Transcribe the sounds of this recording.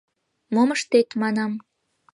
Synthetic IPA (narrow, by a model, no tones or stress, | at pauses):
moməʃt̪et̪mɑnɑm